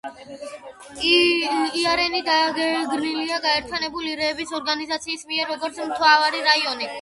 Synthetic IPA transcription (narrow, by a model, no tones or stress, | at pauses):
iaɾɛnid̪aɡɛɡɾniliaɡaɛɾt̪ʰjanɛbuliɾɛːbisɔɾɡanizat̪sʰiːsmiɛɾːɔɡɔɾt̪sʰmt̪ʰwavaɾiɾaiɔni